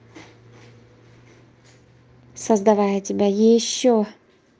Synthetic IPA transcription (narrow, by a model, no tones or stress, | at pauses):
sɐzd̪ɐvajətʲɪbʲajɪɕːo